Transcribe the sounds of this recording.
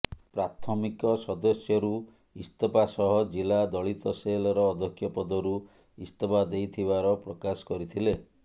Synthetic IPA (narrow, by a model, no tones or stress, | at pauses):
pɾat̪ʰɔmikɔsɔd̪ɔsjɔɾu | ist̪ɔpasɔɦɔd͡ʒilad̪ɔɭit̪ɔselɔɾɔːd̪ʱɔkʰːjɔpɔd̪ɔɾu | ist̪ɔpad̪ejt̪ʰiβaɾɔpɾɔkasɔ̥kɔɾit̪ʰile